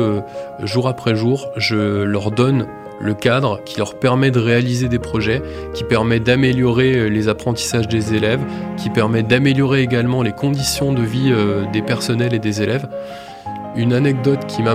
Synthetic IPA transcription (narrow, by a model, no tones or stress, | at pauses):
øʒuʁapχɛʒuʁʒəlœʁd̪ɔn | ləkad̪ʁkʲʰilœʁpɛʁmɛd̪əʁealized̪epχɔʒɛ | kʲipɛʁmɛd̪ameljɔʁelezapχɑ̃t̪i̥saʒd̪ezelɛvkʲipɛʁmɛd̪ameljɔʁeːɡalmɑ̃lekɔ̃d̪isjɔ̃d̪əviød̪epɛʁsɔnɛled̪ezelɛv | ynanɛɡ̚d̪ɔt̪kʲʰima